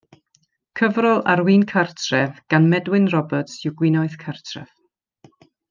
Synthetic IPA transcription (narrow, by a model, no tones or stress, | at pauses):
kʰəvrɔlˠaɾwiːnkʰartʰrɛvɡ̥anmɛdwɪnrɔbətsʊɡwɪnɔɨðkʰartʰrɛ̰v̥